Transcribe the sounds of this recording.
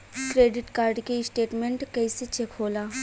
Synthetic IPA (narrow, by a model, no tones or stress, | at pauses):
kɾeːɖɪʈkaːɾɖkeɪsʈeːʈmẽɳʈkɛːset͡ʃekʰoːlaː